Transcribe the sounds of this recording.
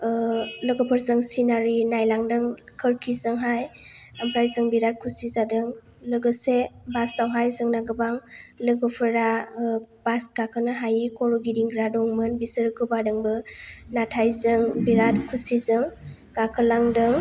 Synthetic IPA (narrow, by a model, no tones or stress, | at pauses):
lɯɡɯpʰɯɾzɯŋsinaɾinajlaŋdɯŋkʰɯɾkʰizɯŋɦajampʰɾajzɯŋbiɾat̚kʰusizadɯŋ | lɯɡɯsebasawɦajzɯŋnaɡɯbaŋlɯɡɯpʰɯɾa | basɡakʰɯnaɦajikʰɔɾuɡidiŋɡɾadɔŋmɯnbisɯɾɯkɯbadɯŋbɯnatʰajzɯŋbiɾatkʰusizɯŋ | ɡ̥akʰɯlaŋdɯŋ